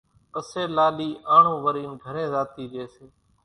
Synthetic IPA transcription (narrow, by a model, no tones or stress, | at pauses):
pəseːlaːliːʔaːɳ̤ũːʋəɾiːnɡʱəɾẽːzaːt̪iːɾɪeːseː